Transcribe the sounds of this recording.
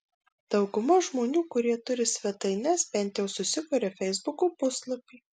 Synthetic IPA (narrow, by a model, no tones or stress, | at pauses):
d̪̥ɒʊɡʊmɐʒmoːnʲuːkʊɾʲiɛt̪ʊɾʲɪsʲʋʲɛt̪ɐɪnʲɛsbʲɛnʲt̪ʲjɛʊsʊsʲɪkʊːɾʲɛfʲɛɪzbʊkoːpʊslˠɐpʲiː